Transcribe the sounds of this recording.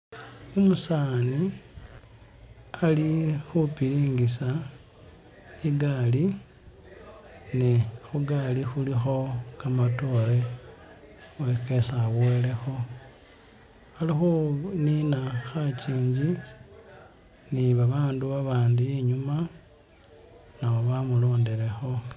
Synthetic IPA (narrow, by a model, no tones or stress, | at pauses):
omusaːni | alixupiɾiːŋɡisa | iɡali | niexuɡalixulixo̞kamato̞le̞ | weke̞sawele̞xo̞ | alixuninaxat͡ʃiːɲd͡ʒi | niβaβaːnduβaβaːndujeɲuma | nawoβamulo̞ːndeɾe̞xo̞